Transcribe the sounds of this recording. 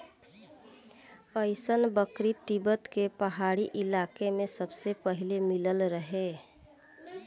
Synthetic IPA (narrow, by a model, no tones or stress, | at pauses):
pəɪsənbəkɾit̪ibət̪kepəɦaɽiʔilakemẽsəbsepəɦilemiləlɾəɦe